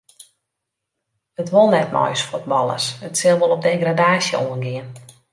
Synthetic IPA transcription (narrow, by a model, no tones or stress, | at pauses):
ətʋolˠnɛtmɔ̰jsfut̚bɔlˠə̰sətsɪlˠʋolˠɔp̚deːɡradaːsjəoənɡɪən